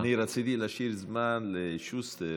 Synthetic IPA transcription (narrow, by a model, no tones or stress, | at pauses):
niɾasid̪ilaʃiɾzmanleʃust̪e